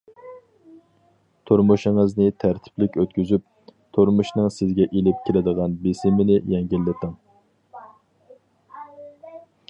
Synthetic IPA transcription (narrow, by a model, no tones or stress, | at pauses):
t̪ʰoɾmuʃɪŋɨznɪt̪ʰæɾt̪ʰɪ̥plɪkʲøt̪̚kʲyzyp̚ | t̪ʰoɾmuʃnɨŋsɪzɡʲɛʔelɪp̚kʲʰiɾɪd̪əʁɑnbesɪmɪnɪjɛŋɡʲilːɪt̪ʰɨŋ